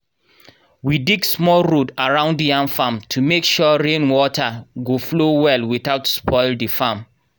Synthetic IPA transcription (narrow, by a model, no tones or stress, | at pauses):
widiɡsmɔlɹudaɹãʊ̃ndijãŋfãmtʰumekʃɔɹẽnwɔtʰaɡoflowɛlwiθaʊtspʰɔɪldifãm